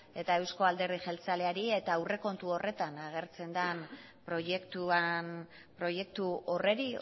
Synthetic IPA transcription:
e̞t̪ae̞wsko̞ald̪e̞rðiʝe̞lt͡sale̞aɾie̞t̪awre̞ko̞nt̪uo̞re̞t̪anaɣ̞e̞ɾt͡se̞nd̪anpɾo̞jekt̪uan | pɾo̞je̞kt̪uo̞re̞ɾi

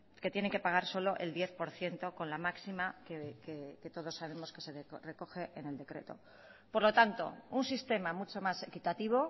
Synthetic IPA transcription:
ke̞t̪je̞neŋke̞paɣ̞aɾso̞lo̞ʔe̞ld̪je̞θpo̞ɾθje̞nt̪o̞ko̞nlamaksimakekeke̞t̪o̞ð̞o̞sːaβe̞mo̞ske̞seðre̞ko̞xe̞ʔene̞ld̪e̞kɾe̞̰t̪o̞̰ | po̞ɾlo̞t̪ant̪o̞̰unsist̪e̞mamut͡ʃo̞mase̞kit̪at̪iβ̞o̞

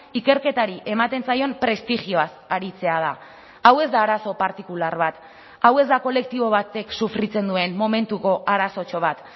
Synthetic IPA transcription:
ike̞ɾke̞t̪aɾiʔe̞mat̪e̞nsajo̞mpɾe̞st̪ixio̞asaɾit͡se̞að̞a | awe̞zd̪aːɾaso̞paɾt̪ikulaɾβat̪ | awe̞zd̪ako̞le̞k̚t̪iβ̞o̞βat̪e̞ksufɾit͡se̞nd̪ue̞mmo̞me̞nt̪uko̞ʔaɾaso̞t͡ʃo̞β̞at̪

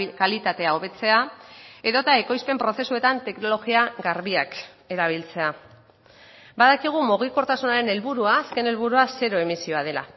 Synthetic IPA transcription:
kalit̪at̪e̞ao̞βe̞t͡se̞ae̞ðo̞t̪ae̞ko̞jspe̞mpɾo̞θe̞sue̞t̪ant̪e̞kno̞lo̞ɣiaɡaɾβiak | e̞ɾaβ̞ilt͡se̞a | baðakiɣ̞umoɣ̞iko̞ɾt̪asunaɾe̞ne̞lβuɾuaːske̞ne̞lβuɾuase̞ɾo̞e̞misio̞að̞e̞la̰

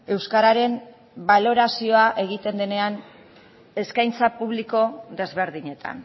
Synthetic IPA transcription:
e̞wskaɾaɾe̞m | balo̞ɾasio̞aʔe̞ɣit̪e̞nd̪e̞ne̞an | e̞skajnt͡sapuβ̞liko̞ðe̞zβe̞ɾðiɲe̞t̪ʰa̰n

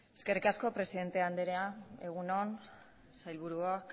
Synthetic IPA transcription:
eske̞rikasko̞pɾe̞siðe̞nt̪eand̪eɾeae̞ɣ̞unon | sajlβuɾuak

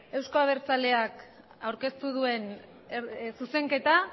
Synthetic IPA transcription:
e̞wsko̞aβ̞e̞ɾt͡sale̞ak | awɾke̞st̪uð̞ue̞n | suse̞ŋke̞t̪a

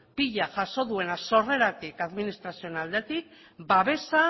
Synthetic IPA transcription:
piʎaʝaso̞ðue̞naso̞re̞ɾat̪ikaðminist̪ɾasio̞nald̪e̞t̪ik̚ | baβ̞e̞sa

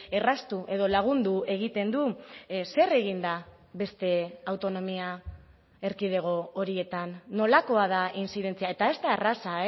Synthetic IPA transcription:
e̞rast̪uʔe̞ðo̞laɣ̞und̪ue̞ɣ̞it̪e̞nd̪use̞re̞ɣ̞ind̪a | βe̞st̪e̞awt̪o̞no̞mia | e̞ɾkið̞e̞ɣ̞o̞oɾie̞t̪anːo̞lako̞að̞ainsiðe̞nt͡siae̞t̪ae̞zt̪aerasae

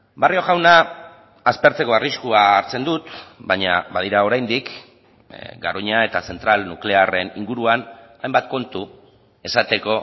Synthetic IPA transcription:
bario̞ɣawnaː | spe̞ɾt͡se̞ko̞ariskuaːɾt͡se̞nd̪ut̪baɲaβað̞iɾao̞ɾajnd̪ik | ɡaɾoɲae̞t̪ase̞nt̪ɾalnukle̞are̞nḭŋɡuɾuanajmbat̪̚ko̞nt̪u | e̞sat̪e̞ko̞

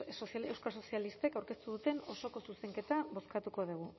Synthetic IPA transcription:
sosalewskaso̞sialist̪e̞kawɾke̞st̪uðut̪e̞no̞so̞ko̞suse̞ŋke̞t̪aβo̞skat̪uko̞ðuɣ̞u

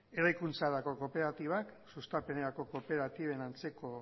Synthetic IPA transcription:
e̞ɾajkunt͡saɾako̞ko̞pe̞ɾat̪iβ̞aksust̪ape̞neɾako̞ko̞pe̞ɾat̪iβe̞nant͡se̞ko̞

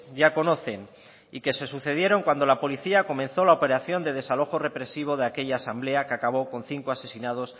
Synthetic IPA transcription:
ʝako̞no̞θe̞n | ike̞se̞suθe̞ð̞je̞ɾo̞ŋkwand̪o̞lapo̞liθiako̞mẽ̞nθo̞laope̞ɾaθjo̞nd̪e̞ðe̞salo̞xo̞re̞pɾe̞siβ̞o̞ð̞eake̞ʎaːsamble̞akeakaβ̞o̞ko̞n̟θiŋkoase̞sinað̞o̞s

